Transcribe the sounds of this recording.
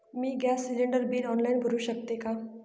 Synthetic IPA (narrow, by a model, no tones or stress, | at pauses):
miːɡæsːileɳɖəɾbiːɾɔnlainbʱəɾuːɕək̚t̪eka